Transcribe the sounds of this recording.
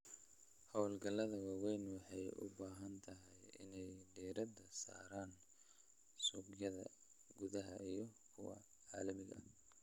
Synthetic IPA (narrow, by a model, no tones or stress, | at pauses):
hɔwlɡɐlɐðɐwɑːwɛjnwɑħɑjʊ̰baːɦɐnt̪ʰɐɦɛjɪ̰nɛjɖiːɾɐd̪ɐsa̰ːɾaːn | suɡjɐðɐ̰ | ɡʊðɐɦɐijɞkʰʊwɐ̰ | ʕɑːlɐmɪɣɐ̰